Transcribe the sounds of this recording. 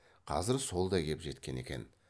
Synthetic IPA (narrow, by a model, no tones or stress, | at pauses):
qʰɑ̰zɪɾso̞lˠd̪ɑjkʲʰe̞pʒe̞t̪kʲe̞ne̞̰kʲe̞n